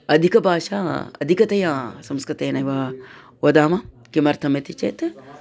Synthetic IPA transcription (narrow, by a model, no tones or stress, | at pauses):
ɐd̪ʱikɐbʱaːʃaːɐ̰d̪ʱikɐt̪ɐjãːsɐmskɾit̪eːnɐjʋa | wɐd̪aːmɐ | kimɐɾt̪ʰɐmɐt̪it͡ʃḛt̪